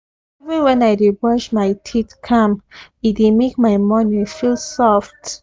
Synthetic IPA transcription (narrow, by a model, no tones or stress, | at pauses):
ivũnwɛ̃naɪdebɔʃmaɪtʰitkʰãmidemek̚maɪmɔnifilsɔft